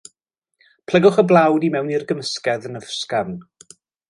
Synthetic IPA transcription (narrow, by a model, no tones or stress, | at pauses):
pʰl̥ˠəɡʊχəblˠawdimɛwnirɡəməskɛðənəvskavn